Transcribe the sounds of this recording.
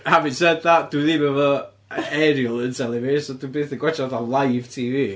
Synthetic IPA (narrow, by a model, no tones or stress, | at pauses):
havɪ̃ntsɛd̚ðad̥uðiːməvɔ | ɛɾiəlˠɪntʰɛlˠɪvɪsɔdubeːθəɡwɛt͡ʃaðalˠajv̥tʰiːvi